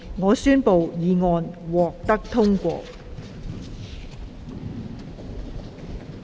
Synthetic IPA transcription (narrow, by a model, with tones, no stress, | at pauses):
ŋɔː˨˧syː˥npo˨wjiː˨˧ŋɔː˧nwɔː˨˩k̚t̪ɐ˥k̚t̪ʰʊ˥ŋkʷɔ̰ː˧